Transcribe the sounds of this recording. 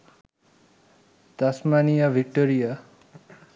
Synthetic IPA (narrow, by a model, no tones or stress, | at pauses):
t̪asmanijaʋik̚ʈoɾija